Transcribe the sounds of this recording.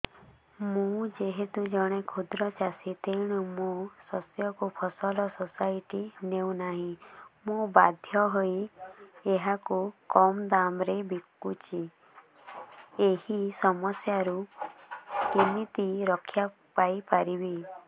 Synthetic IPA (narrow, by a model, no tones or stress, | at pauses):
mũd͡ʒeɦet̪ud͡ʒɔɽ̃ekʰud̪ɾɔt͡ʃasit̪ejɽ̃umũsɔsjɔkupʰɔsɔlɔsɔsaiʈinew̃naɦĩmũba̰d̪ʱjɔɦoi | eɦakukɔmd̪amɾebikːut͡ʃʰi | ehisɔmɔsjaɾu | kinit̪iɾɔkʰja | pajpaɾibi